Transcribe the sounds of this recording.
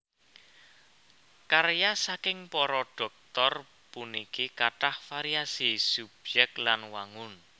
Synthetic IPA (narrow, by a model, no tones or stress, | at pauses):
karjasakɪŋpɔɾɔɖ̥ɔ̤k̚t̪ɔr | punikikaʈahfaɾiasisub̥̚d͡ʒɛk̚t̪lanwaŋʊn